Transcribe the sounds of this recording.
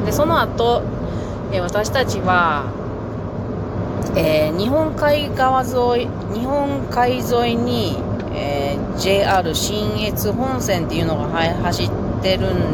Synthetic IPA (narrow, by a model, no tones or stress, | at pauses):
d̪̥e̞so̞no̞at̪o̞ | eβat̪aɕi̥t̪at͡ɕiβa | eːɲ̟iɦõ̞ŋkaiɡaβazoi | ɲ̟ihõ̞ŋkaizo̞iɲ̟i | e | d͡ʑe̞ːaɾɯ̟ɕĩɰe̞t͡sɨɦõ̞ɰ̃sẽ̞nt̪e̞jɯ̟no̞ɡahahaɕit̪ːe̞ɾɯ̟̃n